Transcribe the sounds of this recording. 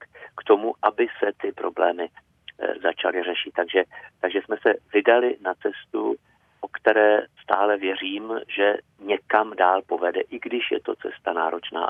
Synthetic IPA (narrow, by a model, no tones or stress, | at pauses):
kt̪o̞muʔabɪsɛt̪ɪpɾo̞blɛːmɪ | zat͡ʃa̰lɪr̝ɛʃɪt̪ːaɡʒɛt̪aɡʒɛsmɛsɛvɪdalɪnat͡sɛst̪ṵ | ʔo̞kt̪ɛɾɛːst̪aːlɛvjɛr̝iːmʒɛ | ɲɛkamdaːlpo̞vɛdɛ̰ʔɪɡdɪʃjɛ̰t̪o̞t͡sɛst̪anaːɾo̞t͡ʃna̰ː